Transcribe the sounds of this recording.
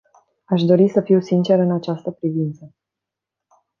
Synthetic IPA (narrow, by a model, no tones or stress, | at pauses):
aʃ̬d̪o̞ɾisəfiwsint͡ʃe̞ɾɨnat͡ʃast̪əpɾivint̪sə